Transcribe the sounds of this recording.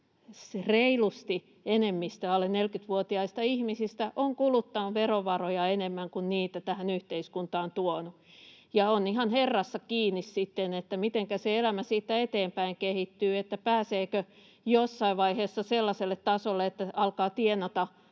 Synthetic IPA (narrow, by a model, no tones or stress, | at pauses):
sreilust̪i | enemːist̪æɑlennelkyt̪ʋuot̪iɑist̪ɑihmisist̪æʔoŋkulut̪ːɑnuʋeroʋɑrojɑenemːæŋkunniːt̪æt̪æhænyht̪eiskunt̪ɑːnt̪uonujɑoniɦɑnherːɑsːɑkiːnːissit̪ːenet̪ːæmit̪eŋkæseelæmæsiːt̪ːæet̪eːmpæiŋkehit̪ːyːet̪ːæpæːseːkø | josːɑiʋʋɑiheːsːɑselːɑselːet̪tɑsolːeet̪ːæɑlkɑːt̪ienɑt̪ɑ